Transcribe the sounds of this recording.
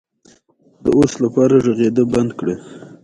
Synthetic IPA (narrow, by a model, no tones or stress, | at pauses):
d̪̥ə̰oslapɑɾaʐəɣed̪əband̪kɽe